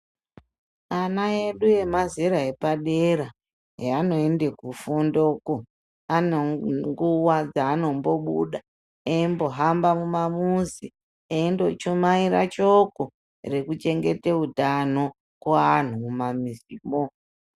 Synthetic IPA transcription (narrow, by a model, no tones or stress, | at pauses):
anae̞ɗuje̞mazeɾaepaɗeɾa | ɦeano̞ende̞kufondo̞ko | aneŋɡuwad͡zaːno̞mbo̞ɓṵɗa | eimbo̞ɦambamumamuzi | eindo̞t͡ʃomaiɾa̰t͡ʃoko | re̞kut͡ʃe̞ŋɡe̞teutano̞ | kwaːn̤umumamiziːmo